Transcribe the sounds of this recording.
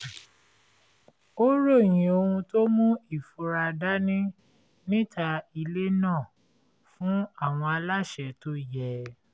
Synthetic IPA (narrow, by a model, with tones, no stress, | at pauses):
o˦ɾo˦˨j̃ĩ˨o˧ũ˧to˦mũ˦i˦˨fu˧˦ɾa˧da˦nĩ˦ | nĩ˦tʰa˧i˧le˦nãː˦˨ | fũ˦a˦˨w̃ɔ̃˧a˧la˦ʃɛ˨to˦jɛ˦˨